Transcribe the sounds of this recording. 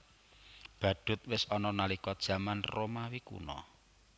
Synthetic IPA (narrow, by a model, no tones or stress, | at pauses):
b̥a̤d̥ʊ̤t̪̚wɪsɔnɔnalikɔd̥ʒ̥a̤manromawikṵnɔ̰